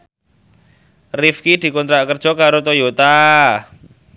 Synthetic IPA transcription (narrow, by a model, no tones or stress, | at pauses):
rifkid̪̥i̤kɔnt̪ɾaʔkərd̥ʒ̥ɔ̤kaɾot̪ojot̪a